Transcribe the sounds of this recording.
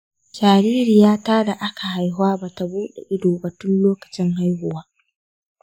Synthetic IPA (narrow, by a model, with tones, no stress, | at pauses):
d͡ʒaː˨ɾiː˦ɾi˨jaː˦taː˦da˨ʔa˦kʰa˨ha˦˨jɦʊ˦aː˦ba˨ta˨buː˦ɗḛ˨ʔɪ˦doː˨bɐ˨tʊ˦nloː˦kɐ̥˨t͡ʃɪ˦ŋɦa˦jɦʊ˨waː˦